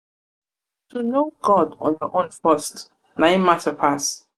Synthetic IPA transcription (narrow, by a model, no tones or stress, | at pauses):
tʰunoʊɡɔdɔ̰̃njɔʔõnfɜst | nãɪ̃nmatʰəpʰas